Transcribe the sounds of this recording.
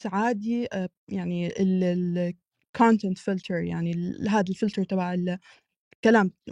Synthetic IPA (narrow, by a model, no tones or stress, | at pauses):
saʕaːd̪iʔ | jaʕniɪl | kʰoːnt̪ɛnt̪fɪlt̪ʰəɾja̰ʕniɦaːd̪alfɪlt̪ɑɾt̪ˤɑbaʕɪl | kalaːm